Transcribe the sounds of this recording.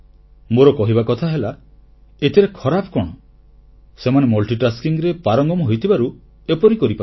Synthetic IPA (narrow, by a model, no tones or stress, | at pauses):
moɾɔkɔɦibakɔt̪ʰaɦela | et̪ʰiɾekʰɔɾapʰɔkɔɽ̃ɔ | semanemɔlʈiʈaskiŋɾepaɾɔŋɡɔmɔɦojt̪ʰibaɾu | epɔɾikɔɾipa